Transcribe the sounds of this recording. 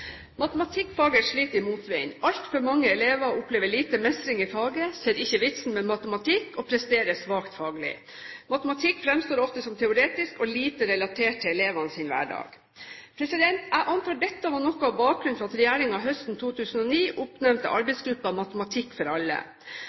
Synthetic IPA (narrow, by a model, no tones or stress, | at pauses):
mɑt̪əmɑt̪ʰɪkːfɑːɡəʂɭiːt̪əɾɪmuːt̪ʋɛɪnɑlt̪fɔɾmɑŋːəɛleːʋɑʊpleːʋəɭiːt̪əmɛst̪ɾɪŋɪfɑːɡəseːɾɪçːəʋɪt̪sn̩mɛmɑt̪əmɑt̪ʰɪkɔːpʰɾɛst̪eːɾəsʋɑːkt̪fɑːɡəlɪ̰ | mɑt̪əmɑt̪ʰɪkːfɾɛmst̪oːɾɔft̪əsɔmt̪ʰɛʊɾeːt̪ɪskɔliːt̪əɾɛlɑt̪ʰeːʈ̚t̪ʰːɪlɛleːʋɑnəsɪnʋæ̰ːɖɑ̰ːɡ̥ | pʰɾɛsɪd̪ɛnt̪æɪʔɑnt̪ʰɑːɖɛt̪ːəʋɑnɔkːʊɑbɑːk̚ɾʉnfɾɑɑt̪ɾɛjæːɾɪŋɑʋɦœst̪n̩t̪ʰuːt̪ʰʉːsn̩ɔniːʔʊpnɛmnt̪ə̰ʔɑ̰ɾbɛɪsɡɾʉpːɑmɑt̪əmɑt̪ʰɪkːfɔɾɑlːə̰